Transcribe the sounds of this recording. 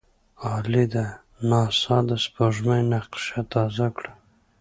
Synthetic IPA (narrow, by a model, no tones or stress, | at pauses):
ɑːlid̪a | nɑːsɑd̪aspoʒmajnaqʃat̪ɑzakɽa